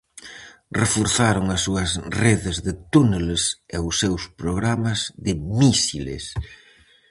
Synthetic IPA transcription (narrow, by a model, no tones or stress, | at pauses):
refoɾθaɾoŋɐsːuɐsreðɪzðɪt̪uneleseʊsːewspɾoɣɾamɐzðɪmisilḛs